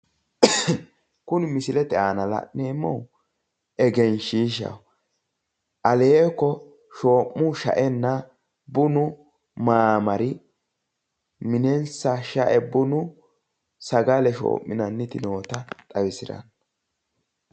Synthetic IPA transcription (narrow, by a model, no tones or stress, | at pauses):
kʊnmɪsɪlɛt̪ɛaːnɐlɐ̰ʔneːmːɔw | ɛɡɛnʃiːʃ̬ɐ̰w | ʔɐleekːɔ | ʃo̞ːʔːʊʃɐ̰ʔɛnːɐ | bʊnʊ | maːmɐɾɪ | mɪnɛnsɐʃɐʔɛbʊnʊ | sɐɡɐlɛʃo̰ːʔːɪnɐnːɪt̪ɪno̞ːt̪ɐt̪ʼɐwɪsɪɾɐ̰n